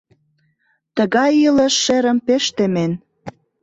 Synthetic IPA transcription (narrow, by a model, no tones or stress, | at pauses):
t̪əɣɑjilə̆ʃːeɾə̆mpeʃt̪emen